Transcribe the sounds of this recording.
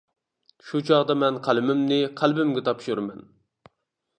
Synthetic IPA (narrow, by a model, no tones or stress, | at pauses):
ʃut͡ʃʰɑʁd̪ɑmɛnqʰælɪmɪmnɪqʰælbɪmɡʲɛt̪ʰɑpʃuɾmɛn